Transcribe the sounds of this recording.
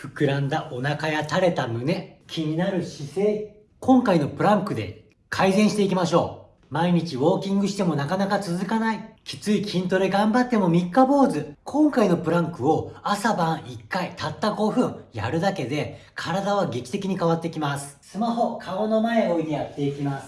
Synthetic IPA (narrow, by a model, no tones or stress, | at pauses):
ɸɯ̟̥kɯ̟ɾãnd̪aʔo̞nakajat̪aɾe̞t̪amɯ̟ne̞kʲʰiɲ̟inaɾɯ̟ɕise̞ː | kʰõ̞ŋkaino̞pɯ̟ɾãŋkɯ̟d̪e̞̰ | kʰaizẽɰ̃ɕi̥t̪e̞ikʲimaɕo̞ː | maiɲ̟it͡ɕiβo̞ːkʲĩŋɡɯ̟ɕi̥t̪e̞mo̞nakanakat͡sɨzɨkanaikʲi̥t͡sɨikʲʰĩnt̪o̞ɾeɡãmbat̪ːe̞mo̞mʲikːabo̞ːzɨkʰõ̞ŋkaino̞pɯ̟ɾãŋkɯ̟o̞asabãɰ̃ikːait̪ʰat̪ːaɡo̞ɸɯ̟̃ja̰ɾɯ̟d̪ake̞d̪e̞kʰaɾad̪aβ̞aɡe̞kʲi̥t̪e̞kʲiɲ̟ikaβat̪ːekʲimasɨ̥sɨmaho̞kʰaono̞mae̞o̞ːiɲ̟ijat̪ːe̞ikʲimasɨ̥